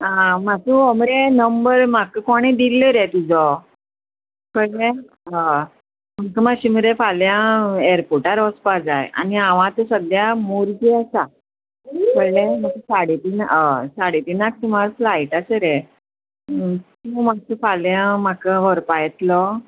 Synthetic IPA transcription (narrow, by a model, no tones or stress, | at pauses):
ãmasuɔmɾenəmbəɾm̤akəkɔɽ̃ẽd̪iləɾɛt̪ud͡zɔ | kəɾlɛ̃ | a | m̤əkəmaɕim̤iɾefaljãeɾpoʈaɾɔspad͡zaj̰a̰niaʋãt̪ɔsəd̪jamoɾɡiasa | kəɾlẽm̤əkəsaɽet̪inəsaɽet̪inak̚t̪im̤aɾflaiʈasəɾɛ | t̪umasupʰaljãm̤akəʋəɾpajt̪lɔ